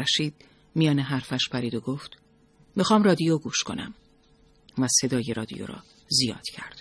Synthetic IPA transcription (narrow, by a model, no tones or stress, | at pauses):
æʃiːd̪̥̚ | mijɒːneɦæɾfæʃpʰæɾiːd̪oɡoːft̪ | mixɒːmrɒːd̪ijoɡuːʃkʰo̞̰næ̰m | væse̞d̪ɒːje̞ɾɒːd̪ḭjo̰ɾɒ̰ː | zijɒ̰ːd̪̥cʰæɾd̪̥